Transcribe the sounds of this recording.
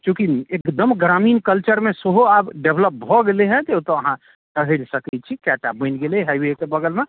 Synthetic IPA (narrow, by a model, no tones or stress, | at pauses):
t͡ʃũkiekd̪əmɡɾaminkəlt͡ʃəɾmesəɦoabɖebləp̚bʱɔɡeleɦɛ̃d͡ʒ̪ot̪ɔəɦã | ʈəɦəɾsəkɛt͡ʃʰikaʈabənɡeleɦəjbeekebəɡəlme